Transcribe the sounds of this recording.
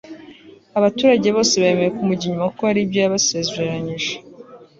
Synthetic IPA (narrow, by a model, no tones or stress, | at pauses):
aβatuːɾaɟe̞βo̞ːse̞βaeme̞ɾekumuɟiɲumakoaɾibɟajaβasezeɾeɾaɲiʒe̥